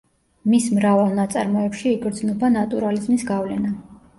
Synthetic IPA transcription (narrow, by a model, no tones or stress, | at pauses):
mismɾavalˠnat̪sʼa̰ɾmɔɛpʃiːɡʼɾd̪znɔbanat̪ʼuɾalizmisɡavlɛna